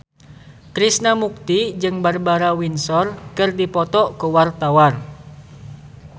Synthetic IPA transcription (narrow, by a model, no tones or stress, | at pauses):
kɾisnamuk̚t̪id͡ʒɨŋbarbaɾawinsɔrkɨrdipɔt̪ɔʔkuwart̪awar